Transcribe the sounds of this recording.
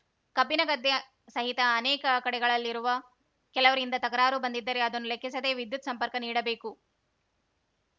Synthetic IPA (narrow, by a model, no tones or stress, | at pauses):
kɐbinɐɡɐd̪ːe | sɐɦit̪ɐːnɛːkɐkɐɽɛɡɐɭɐlːiɾuʋɐ | kɛlɐʋɐɾind̪ɐt̪ɐkɐɾaːɾubɐnd̪id̪ːɐɾe̞ɐd̪ɐnːulekʰːisɐd̪e̞ːʋid̪jut̪sɐmpɐɾkɐniːɽɐbe̞ːku